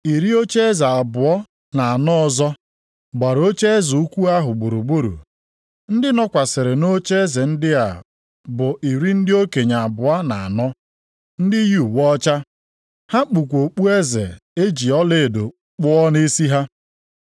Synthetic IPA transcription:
i˨ɾi˦o˦t͡ʃe˦za˨a˨bʊ˨ɔ˦ | na˨a˨nɔ˦ɔ˨zɔ˦ | ɡ͡ba˨ɾo˦t͡ʃe˦zu˨u˦kʷu˦a˦ɦʊ˨ɡ͡bu˨ɾu˨ɡ͡bu˦ɾṵ˨ | n̩˦dɪ˦nɔ˦kʷa˨sɪ˨ɾɪ˨no˦t͡ʃe˦ze˨n̩˦dɪ˦a˨ | bʊ˨i˨ɾi˦n̩˦dɪ˦o˦ke˨ɲa˨a˨bʊ˨a˦na̰˨a˨nɔ˦ | n̩˦dɪ˦ju˦˨wɔ˦t͡ʃa˦ | ha˦k͡pu˨kʷo˨k͡pu˦e˦zḛ˨e˦d͡ʒi˨ɔ˦le˦˨do˨ | k͡pʊ˦ɔ˦ne˦si˦ɦa˦

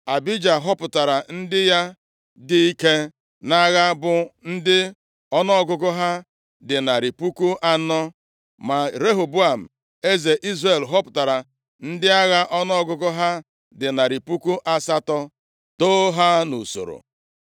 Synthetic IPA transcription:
a˨bi˦d͡ʒa˨ɦɔ˦pʊ˨ta˨ɾa˨n̩˦dɪ˦ja˦ | dɪ˦i˦ke˦ | na˦ɣa˦bʊ˨n̩˦dɪ˦ | ɔ˦nɔ˦ɡʊ˦ɡʊ˦ɦa˦ | dɪ˨na˨ɾi˨pu˦ku˦ʔa˦nɔ˦ | ma˨ɾe˦ɦo˨bu˦a˨m̩˨ | e˦ze˨ʔi˦zre˨lɦɔ˦pʊ̥˨ta˨ɾa˨ | n̩˦dɪ˦a˦ɣa˦ʔɔ˦nɔ˦ɔ˦ɡʊ˦ɡʊ˦ɦa˦ | dɪ˨na˨ɾi˨pu˦ku˦ʔa˦sa˦tɔ˦ | toː˦ɦa˦nu˨so̰˨ɾo̰˨

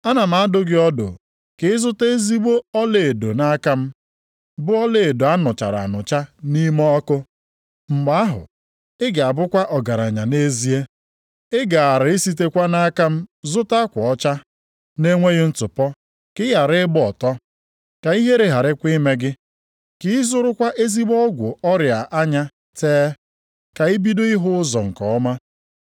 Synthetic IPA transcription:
a˦na˨m̩˦a˨˦dʊ˦ɡɪ˦ɔ˦dʊ̰˨ | kɪ˨ɪ˦zʊ˦te˦zi˦ɡ͡bo˦ɔ˦le˨e˨do˨na˦ka˦m̩˦ | bʊ˦ɔ˦le˨e˨do˨a˦nʊ˨t͡ʃa̰˨ɾa̰˨nʊ˨t͡ʃa˦ni˦mɔ˦ɔ˦kʊ˦ | ŋ͡m̩˨ɡ͡ba˦a˦ɦʊ̰˨ | ɪ˦ɡa˨a˨bʊ˦kʷa˦ʔɔ˨ɡa˨ɾa˨ɲa˨ne˦zi˦e˦ | ɪ˦ɡa˨a˨ɾɪ˨ɪ˦si˦te˦kʷa˦na˦ka˦m̩˦zʊ˦ta˦kʷɔ˨ɔ˦t͡ʃa˦ | ne˦ŋʷe˦ɣɪ˦n̩˦tʊ˨pɔ˦ | kɪ˦ja˨ɾɪ˦bʊ˦ɔ˨tɔ˦ | ka˨i˦ɦe˦ɾe˨ɦa˨ɾɪ˦kʷi˦me˦ɡɪ˦ | kɪ˦ɪ˦zʊ˦ɾʊ˦kʷa˦ʔe˦zi˦ɡ͡bɔ˦ɡʷʊ˨ɔ˦ɾja˨ʔa˦ɲa˦ | teː˦ | ka˨i˦bi˦dʊ˦ɪ˦ɦʊ˦ʊ˦zɔ˨ŋ̩˨kɔ˨ɔ˦ma˦

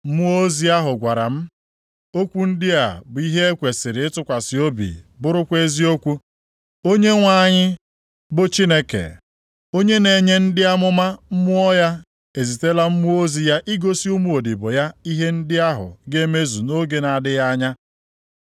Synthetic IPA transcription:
mu˦o˦zi˦a˦ɦʊ˨ɡʷa˨ɾa̰˨m̩˦ | o˦kʷu˦n̩˦dɪ˦a̰˨bʊ˨i˦ɦe˦e˦kʷe˨sɪ˨ɾɪ˨ɪ˦tʊ˦kʷa˨sɪ˨o˦bḭ˨bʊ˦ɾʊ˦kʷe˦zi˦o˦kʷu˦ | o˦ɲe˦ŋʷa˦˨ɲɪ˦ | bʊ˨t͡ʃi˦ne˦kḛ˨ | o˦ɲe˦ne˨ɲe˦n̩˦dɪ˦a˦mʊ˦ma˦m̩˦mʊ˦ɔ˦ja˦ | e˨zi˨te˦la˦m̩˦mu˦o˦zi˨ja˦ʔi˦ɡo˦si˦u˦mu˦o˨dɪ˨bʊ˨ja˦i˦ɦe˦n̩˦dɪ˦a˦ɦʊ̰˨ɡe˦me˦zu˨no˦ɡe˦na˨dɪ˦ja˦ɲa˦

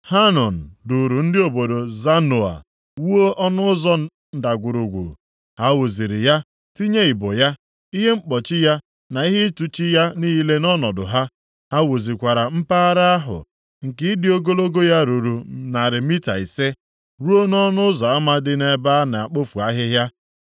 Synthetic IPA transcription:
ha˦nɔ˨n̩˨du˨ɾu˨n̩˦dɪ˦o˨bo˨do˨za˦no˨a̰˨ | wu˦o˦ʔɔ˦nʊ˦zɔ˦ | n̩˨da˨ɡʷʊ˨ɾu˨ɡʷṵ˨ | ha˦wo˨zi˨ɾɪ˨ja˦ | ti˦ɲe˦i˨bo˨ja˦ | i˦ɦe˦ŋ͡m̩˦k͡pɔ˨t͡ʃɪ˦ja˦ | na˨i˦ɦe˦tu˨t͡ʃi˦ja˦niː˦i˦le˦nɔ˦nɔ˨dʊ̰˨ɦa˦ | ha˦wo˨zi˨kʷa˨ɾa˨m̩˦paː˦ɾa˦a˦ɦʊ̰˨ | ŋ̩˨kɪ˦dɪ˦o˦ɡo˦lo˦ɡo˦ja˦ɾu˨ɾu˨na˨ɾɪ˨mi˦ta̰˨i˨se˦ | ɾu˦o˦nɔ˦nʊ˦zɔ˨a˦ma˦dɪ˦ne˨ba˦na˨a˨k͡po˦fu˨a˦ɦɪ˦ɦja˦

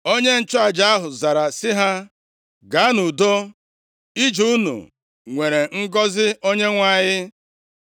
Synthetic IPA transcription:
o˦ɲe˦n̩˦t͡ʃʊ˦a˨d͡ʒa˦a˦ɦʊ˨za˨ɾa˨sɪ˦ɦa˦ | ɡa˨˦nu˨do˦ | i˦d͡ʒu˦nṵ˨ | ŋʷe˨ɾe˨ŋ̩˦ɡɔ˦zɪ˦o˦ɲe˦ŋʷa˦˨ɲɪ˦

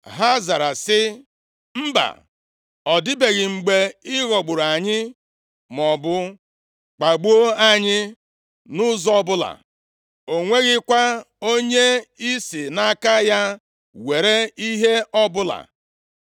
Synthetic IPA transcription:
ɦa˦za˨ɾa˨sɪ˦ | m̩˦ba̰˨ | ɔ˨dɪ˦be˨ɣɪ˨ŋ͡m̩˨ɡ͡be˨ɪ˦ɣɔ˨ɡ͡bʊ˨ɾa˨ɲɪ˦ | mɔ˨bʊ˦ | k͡pa˨ɡ͡bu˦o˦a˨ɲɪ˦ | nʊ˦zɔ˦bʊ˦la̰˨ | o˨ŋʷe˦ɣɪ˦kʷa˦ | o˦ɲe˦i˦si˨na˦ka˦ja˦ | we˨ɾe˦i˦ɦe˦ɔ˦bʊ˦la̰˨

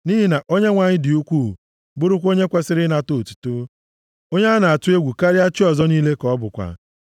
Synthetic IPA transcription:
ni˦ɦi˦na˨ʔo˦ɲe˦ŋʷa˨ɲɪ˦dɪ˨u˦kʷuː˦˨ | bʊ˦ɾʊ˦kʷo˦ɲe˦kʷa˦sɪ˦ɾɪ˦na˨to˦˨tu̥˨tu˦ | o˦ɲe˦a˦na˨a˨tʊ˦e˦ɡʷu˨ka˦ɾɪ˦a˦t͡ʃɪ˦ɔ˨zɔ˦niː˦le˦kɔ˨˦bʊ˨kʷa̰˨

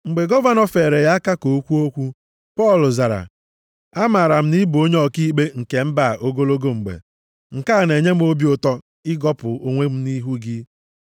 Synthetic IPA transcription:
ŋ͡m̩˨ɡ͡be˨ɡɔ˦va˦nɔ˨fe˨ɾe˨ja˦ka˦ko˨˦kʷu˦o˦kʷu˦ | pɔ˦˨lʊ˨za˨ɾa̰˨ | a˦ma˨ɾa˨m̩˦ni˦bo˦ɲ˦ɔ˨ki˦ɡ͡be˦ŋ̩˨ke˨m̩˦ba˦˨ʔo˦ɡo˦lo˦ɡo˦ŋ͡m̩˨ɡ͡bḛ˨ | ŋ̩˨ka˦˨ne˨ɲe˦m̩˦o˦bi˦o˨tɔ˦ | ɪ˦ɡɔ˦pʊ˨o˨ŋʷe˦m̩˦ni˦ɦu˦ɡɪ˦

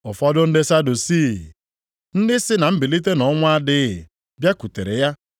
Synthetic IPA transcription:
ʊ˨fɔ˦dʊ˦n̩˦dɪ˦sa˦du˨si˦˨ | n̩˦dɪ˦sɪ˦na˨m̩˦bi˨li˦t̬e˦nɔ˨˦ŋʷʊ˦a˦dɪ˦˨ | bja˦ku˨te˨ɾḛ˨ja˦

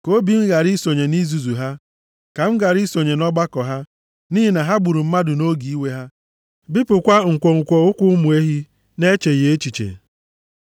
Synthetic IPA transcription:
ko˦bi˨m̩˦ɡa˨ɾi˦so˨ɲe˨ni˦zu˨zu˨ɦa˦ | ka˨m̩˦ɡa˨ɾi˦so˨ɲe˨nɔ˦ɡ͡ba˦kɔ˨ɦa˦ | niː˦ɦi˦na˨ɦa˦ɡ͡bu˨ɾu˨m̩˦ma˦dʊ˨no˦ɡi˨i˦we˦ɦa˦ | bi˦pʊ˨kʷa˦ŋ̩˨kʷo˨ŋ̩˨kʷo˨ʊ˦kʷʊ˦mu˨e˦ɦi˦ | ne˦t͡ʃe˨je˨e˦t͡ʃi˨t͡ʃḛ˨

